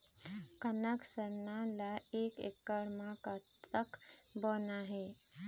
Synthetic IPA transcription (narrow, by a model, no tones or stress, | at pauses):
kənəksəɾnalaekḛkːəɽmãkat̪əkbonaɦe